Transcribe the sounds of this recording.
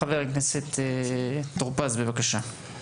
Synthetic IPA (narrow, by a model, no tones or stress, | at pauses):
avɛʁiknɛsɛt̪ | t̪ːʁupazbebakaʃa